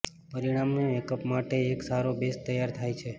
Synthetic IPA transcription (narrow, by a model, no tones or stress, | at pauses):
pəɾiɽ̃amnoekəpmaʈeːksaɾobest̪əjaɾt̪ʰajt͡ʃʰe